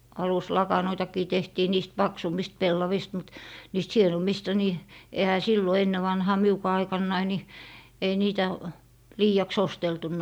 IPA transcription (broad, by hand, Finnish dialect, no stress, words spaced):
ɑluslɑkɑnoitɑkiː tehtiː niːst pɑksumːist pelːɑʋist mut niːst hienomːistɑ ni ehæ silːo enːe ʋɑnhɑː miukɑː ɑikɑnːɑi ni ei niːtæ liːɑks osteltunːo